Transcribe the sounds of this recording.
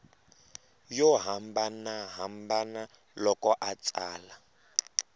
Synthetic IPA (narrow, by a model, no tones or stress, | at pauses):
jɔɦambanaɦambana | lɔkɔʔat͡sʼaːla